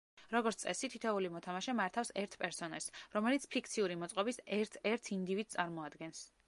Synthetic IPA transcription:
ɾɔɡɔɾt̪sʼɛ̰sit̪ʰit̪ʰɛulimɔt̪ʰamaʃɛmaɾt̪ʰafsɛɾt̪ʰpʼɛɾsɔnɛlsɾɔmɛlit̪sʰpʰik̚ʰt̪sʰiuɾimɔt̪sʼqʼɔbisɛɾt̪ʰɛɾt̪ʰind̪ivid̪̚sʼaɾmɔad̪ɡɛns

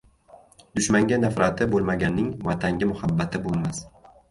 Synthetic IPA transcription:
d̪̥ʊʃmaŋɡʲanafɾat̪ʰɪbolˠmaɡʲanːɪŋvat̪ʰaŋɡʲɪmʊhabːat̪ʰɪbolˠmas

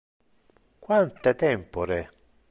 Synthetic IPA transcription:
kwant̪et̪ɛmpoɾe

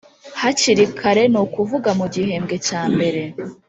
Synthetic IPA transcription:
haciɾikʰaɾe̞nukuvuɡamuɟihe̞ːmɡe̞caːmbe̞ɾe̞

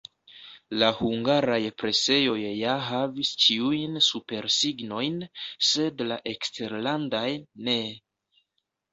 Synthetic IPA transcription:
lahuŋɡaɾajpɾe̞se̞jo̞jːaɦavist͡ʃiujnsupe̞ɾsiɡno̞jnse̞dlaʔe̞kste̞ɾlandajne̞

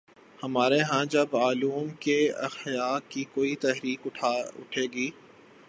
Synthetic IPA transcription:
hɐmaːɾeɦãd͡ʒɐbaːluːmkeɐ̰xjaːkkikoːit̪ɛɦɾiːkʊʈʰaʊ̰ʈʰeːɡiː

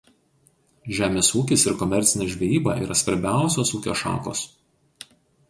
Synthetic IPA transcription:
ʒʲæːmʲeːsuːkʲɪsɪɾkɔmʲɛɾʲt̪sʲɪnʲɛːʒʲʋʲeiːbɐʔḭːɾʔɐsʋɐɾʲbʲæˑʊsʲoːsuːkʲo̰ːʃɑ̰ːko̰ːs

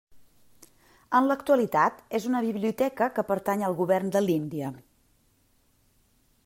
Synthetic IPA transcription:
ənləkt̪uəlit̪at̪ezunəβiβliut̪ɛkəkəpəɾt̪aɲəlˠɣuβɛrnd̪əlind̪iə

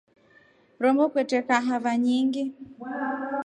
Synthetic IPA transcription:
ɾɔmbɔkwɛtɛkaɦavaɲiŋɡi

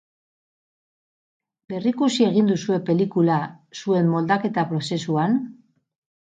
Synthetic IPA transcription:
be̞rikusie̞ɣ̞ind̪usue̞pe̞likulasue̞mːo̞ld̪ake̞t̪apɾo̞se̞suan

